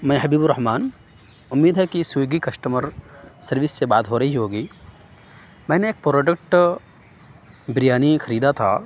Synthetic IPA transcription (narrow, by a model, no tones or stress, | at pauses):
mɛ̃ːɦɐbiːbʊɾːɐɦmaːn | ʊmːiːd̪ɦɛkisujɡikɐʃʈəmɐɾsɐɾʋisːebaːt̪ɦoːɾɐɦiɦoːɡiː | mɛ̃ːneeːk̚pɾoːɖək̚ʈ | bɾijaːnikʰɐɾiːd̪at̪ʰa̰ː